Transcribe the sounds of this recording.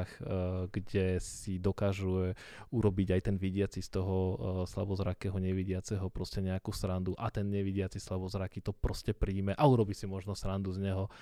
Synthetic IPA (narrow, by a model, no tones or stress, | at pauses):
xɡɟɛsid̪ɔkaːʒuɛ | uɾɔbiɟajt̪ɛnʋiɟɪat͡sist̪ɔɦɔsla̰bɔzɾakɛɦɔɲɛʋiɟɪat͡sɛɦɔpɾɔscɛɲɛakuːsɾand̪uʔat̪ɛnɲɛʋiɟɪat͡sislabɔzɾakit̪ɔpɾɔscɛpɾiːmɛʔauɾɔbisimɔʒnɔsɾand̪uzɲɛɦɔ